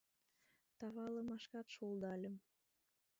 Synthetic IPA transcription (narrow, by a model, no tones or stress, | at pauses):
t̪ɑβɑləmɑʃkɑt̪ʃold̪ɑlʲəm